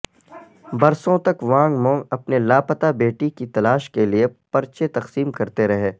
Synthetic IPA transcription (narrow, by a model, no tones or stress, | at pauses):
bɐɾsõt̪ɐkʋãːŋɡmɔ̃ːɐpnelaːpɐt̪abeːʈikit̪ɐlaːʃkeliepɐɾt͡ʃet̪ɐqsiːmkɐɾt̪eɾɐɦeː